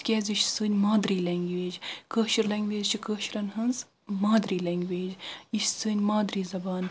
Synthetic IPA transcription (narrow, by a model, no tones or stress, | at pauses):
kʲɛːziʃsɨːnʲmaːd̪ɾiːlɛːŋɡʋeːd͡ʒkəːʃiɾlɐːŋɡʋeːzt͡ʃʰikəːʃɾɐnɦɐnz | maːd̪ɾiːlɛŋɡʋeːd͡ʒiʃsɨːnʲmaːd̪ɾiːzɐbaːn